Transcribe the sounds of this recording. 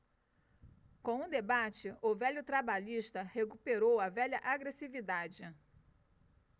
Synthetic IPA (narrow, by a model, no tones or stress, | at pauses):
kõũd̪ebat͡ʃɪʔʊvɛʎʊt̪ɾabaʎiʃt̪ɐhekupeɾowɐvɛʎɐʔaɡɾesivid̪ad͡ʒɪ